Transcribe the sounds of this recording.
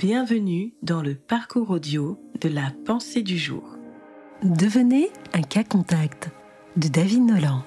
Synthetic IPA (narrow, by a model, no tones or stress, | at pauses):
b̥jɛ̃vənyd̪ɑ̃ləpaʁkuʁod̪jod̪əlapɑ̃sed̪yʒṵːʁ | d̪əvəneɛ̃kakɔ̃t̪akt̪ | d̪əd̪avid̪nɔlɑ̃